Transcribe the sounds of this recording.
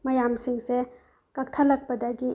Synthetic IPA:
mɐjamsiŋse | kɐk̚t̪ʰalɐk̚pɐdaɡi

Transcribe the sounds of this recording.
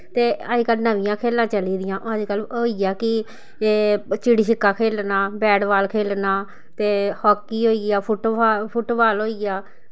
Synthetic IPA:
t̪eːəd͡ʒkəlnəʋɪ̃jãːkʰeːlãːt͡ʃəliːd̪ɪjãːʔoːəd͡ʒkəloːiːɡjaːkɪ | eːt͡ʃiɽiːʃɪkːaːkʰeːlnaːbɛːɖʋaːlkʰeːlnaː | t̪eːhɔːkːiːɦoːiːɡɪjaːpʰʊʈːpʰʊʈbaːlɦoːiːɡɪjaː

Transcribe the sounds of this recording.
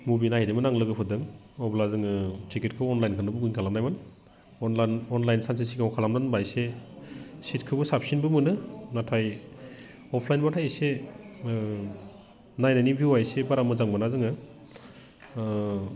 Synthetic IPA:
mubinahidɯmɯnaŋlɯɡɯpʰɯdɯŋ | ɔblazɯŋɯtɾikit̚kʰɯwɔnlajnkʰɯnɯbuɡuŋkʰalamnajman | ɔnlanɔnlajnsans̬es̬iɡawkʰalamnanbajse | sitkʰɯbɯsap̚sinbɯmɯnɯnatʰaj | ɔpʰlajnbatʰajase | najnanibʱiuajsebaɾamɯzaŋbanazɯŋɯ

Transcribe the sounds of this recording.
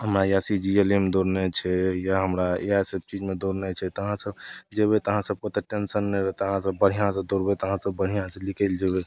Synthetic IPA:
ɦəmɾajasid͡ʒielemd̪oɾnet͡ʃʰɛjaɦəmɾaeajsəb̚t͡ʃid͡ʒmed̪oɾnet͡ʃʰɛt̪əɦãsəbd͡ʒeβɛt̪əɦãsəb̚kot̪eʈensənːeɾət̪əɦãsəbːəɽ̤ijãsẽd̪oɾbɛt̪əɦãsəbːəɽ̤ijãsẽlikəld͡ʒebɛ

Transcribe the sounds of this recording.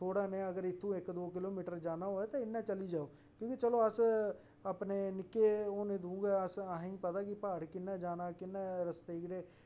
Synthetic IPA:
t̪ʰoːɽaːnẽːəɡəɾɪt̪ʰːũːɪkd̪oːkɪloːmiːʈəɾd͡ʒaːnaːɦoːɛːt̪ãːɪnːãːt͡ʃəliːd͡ʒaːoː | kjõːkit͡ʃəloːəs | aːpneːnɪkːeːoːnẽːd̪ũːɡaːəsəɦĩːpət̪aːkɪpaːɽkɪnːãːd͡ʒaːnaːkɪnːẽːɾəst̪eːkɽeː

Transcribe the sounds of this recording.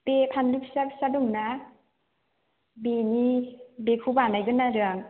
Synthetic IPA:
pepʰanduk̚sak̚sadɔŋna | benibekʰubanajɡɯnːaɾɯaŋ

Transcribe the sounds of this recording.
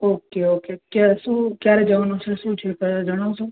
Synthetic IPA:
okeokekjaʃũkjaɾed͡ʒəʋanõt͡ʃʰeʃũt͡ʃʰepəd͡ʒəɽ̃osũ

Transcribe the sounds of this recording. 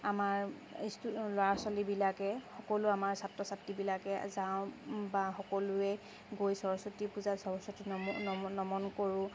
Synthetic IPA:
amaɹ | istloasɔlibilakɛxɔkɔlʊamaɹsatɹɔsatːibilakɛzãʊ̃baxɔkɔlʊɛ | ɡojsɔɹɔsɔtipuzasɔɹɔsɔtinnɔmɔnkoɹʊ̃

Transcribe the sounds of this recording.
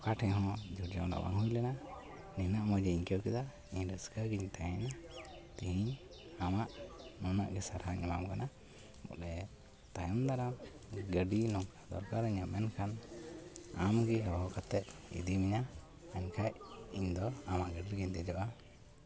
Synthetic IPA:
kaʈʰɛ̃ɦɔ̃d͡ʒuɾd͡ʒamla̰wa̰ŋɦujlɛna | ninaʔmɔd͡ʒɛiɲkɛkɛd̪a | iɲɾəskəɡiɲt̪ajɛɲat̪iɦiɲ | amaʔnɔna̰ʔɡɛsaɾɦaŋimamkana | mɔ̰ʔɛ | t̪ajɔmd̪aɾam | ɡəɖinɔŋkad̪ɔ̰ɾkaɾəɲamɛnkʰan | amɡiɦawaɔkat̪ɛt̪̚ḭd̪imiɲa | aɲkʰajiɲd̪ɔamaʔɡəɖiɾɡiɲd̪ɛd͡ʒɔʔa

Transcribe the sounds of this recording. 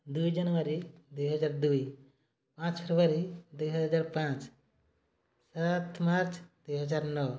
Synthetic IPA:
d̪ujd͡ʒənʋəɾid̪ujɦəd͡ʒaːɾd̪ui | pãt͡ʃpʰeɾʋaɾid̪ujɦəɦəd͡ʒaːɾpãt͡ʃ | sat̪ʰmaɾt͡ʃd̪ujɦəd͡ʒaɾnɔ

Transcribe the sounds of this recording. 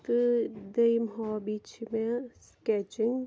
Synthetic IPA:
t̪d̪əjmɦɔːbiːt͡ʃmẽskɛt͡ʃɪ̃ŋ

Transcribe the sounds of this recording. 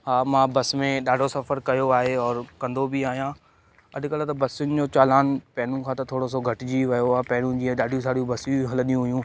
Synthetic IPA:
ɦaːmãːbɐsmẽɗaːɖʱosɐfəɾkɐjoaːɦeɔːɾkɐ̃nd̪obʱiaːɦijãː | ɐ̰d̪ɪkəlat̪ɐbɐsjʊnɪ̆d͡ʑoːt͡ɕaːlaːnpɛːnũkʰãːt̪ɐt̪ʰoːɽos̬oɡʱɐʈɪd͡ʑiʋɐjoaːpɛːnũd͡ʑiːɛ̃ɗaːɖʱjũs̬aːɽijũbɐsɦɐlə̃nijũɦʊjũː

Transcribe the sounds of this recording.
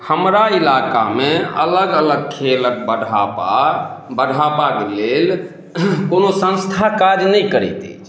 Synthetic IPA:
həmɾailaka̰meə̰ləɡələɡ̚kʰelək̚bəɖʱapa̰bəɽʱapakelel | konosə̃nst̪ʰakad͡ʒnəjkəɾɛt̪ɛ̰t͡ʃʰ

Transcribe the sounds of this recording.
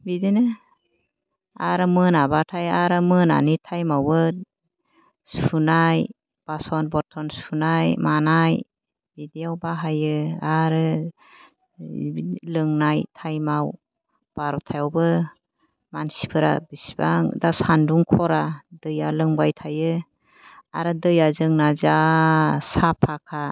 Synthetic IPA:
bidinɯ | aɾɯmɯnabatʰajaɾɯmɯna̰nitʰajmawɯ | sunaj | b̥asɔnbɔɾtʰɔnsunajmanaj | bidiawbaɦajɯaɾɯ | lɯŋnajtʰajmaw | b̥aɾɔtʰajawbɯ | mansi̥pʰɯɾa̰bisibaŋdasanduŋkʰɔɾadɯjalɯŋbajtʰajɯ | a̰ɾɯdɯjazɯŋnaza | sapʰakʰa

